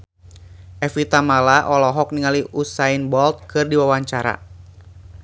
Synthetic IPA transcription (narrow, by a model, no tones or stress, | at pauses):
ʔɛfit̪amalaʔɔlɔɦɔk̚niŋaliʔusainbɔlt̪̚kɨrdiwawaɲt͡ʃaɾa̰